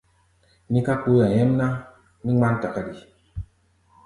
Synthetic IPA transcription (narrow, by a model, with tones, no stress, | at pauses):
mi˦ka˦k͡pu˦ja˨ɲɛ˦m˦na˦ | mi˦ŋ͡ma˦n˦ta˨ka˦di˨